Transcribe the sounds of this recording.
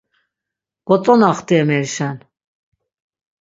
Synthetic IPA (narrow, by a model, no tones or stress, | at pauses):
ɡ̥ɔt͡sʼɔnaχt̪iɛmɛɾʃan